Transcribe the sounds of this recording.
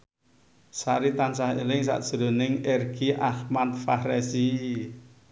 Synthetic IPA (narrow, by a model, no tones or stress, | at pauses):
saɾit̪ansahelɪŋs̬a̰ʔd̥ʒ̥əɾo̤nɪŋɛrɡ̥iʔahmat̪̚fahrɛsi